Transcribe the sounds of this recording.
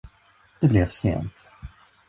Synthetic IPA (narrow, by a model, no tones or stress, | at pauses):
d̪̥ɛblɛvsḛːnt̪